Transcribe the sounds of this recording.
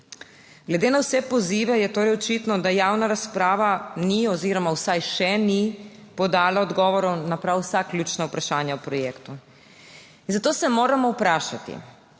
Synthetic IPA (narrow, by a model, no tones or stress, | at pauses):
ɡlɛd̪eːnawsɛpɔziːʋɛjɛt̪oːɾɛjɔt͡ʃit̪nɔd̪ajaːwnaɾaspɾaːʋaniɔziːɾɔmawsajʃɛnipɔd̪aːlaɔd̪ɡɔːʋɔɾɔwnapɾawsaklʲjuːt͡ʃnaupɾaʃaːnjawpɾɔjeːkt̪u | inzat̪oːsɛmoːɾamɔwpɾaːʃat̪ḭ